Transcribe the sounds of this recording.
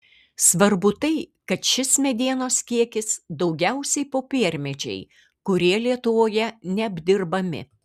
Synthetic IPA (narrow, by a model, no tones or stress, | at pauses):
sʋɐɾbʊt̪ɐɪkɐt̪ʃʲɪsmʲɛd̪ʲiɛnoːskʲiɛkʲɪsd̪ɒʊɡʲɛʊsʲɛɪpoːpʲiɛɾʲmʲɛd͡ʒʲɛ̰ɪ | kʊɾʲiɛlʲiɛt̪ʊʋoːjɛnʲɛɐbʲd̪ʲɪɾbɐmʲɪ̰